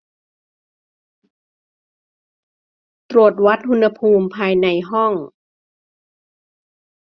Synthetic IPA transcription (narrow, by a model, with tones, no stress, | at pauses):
t̪ɾu˨˩ət̪̚wa˦˥t̪̚hu˧nha˧pʰuː˧mpʰaː˧jna˧jɦɔ˥˩ŋ